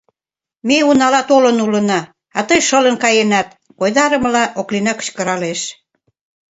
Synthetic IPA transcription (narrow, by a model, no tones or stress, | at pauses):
meunɑlɑt̪olənulənɑ | ɑt̪əjʃələnkɑjenɑt̪̚ | kojd̪ɑɾəməlɑʔoklinɑkə̥t͡ɕkəɾɑleʃ